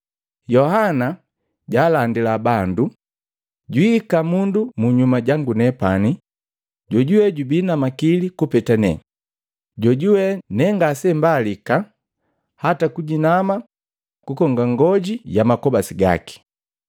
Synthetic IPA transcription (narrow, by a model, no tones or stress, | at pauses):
jɔhana | ɟaːlandilabandu | ɟwikamundumuɲumaɟaŋɡunɛpani | ɟɔɟuwɛɟubinamakilikupɛtanɛ | ɟɔɟuwɛnɛŋɡasɛmbalika | hatakuɟinama | kukɔŋɡaŋɡɔɟijamakɔbasiɡa̰ki̥